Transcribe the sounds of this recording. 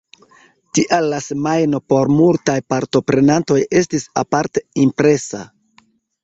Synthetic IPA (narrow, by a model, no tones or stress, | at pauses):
tiʔalːasemajno̞po̞ɾmultajpaɾto̞pɾe̞nanto̞je̞stisa̰paɾte̞impɾe̞sa̰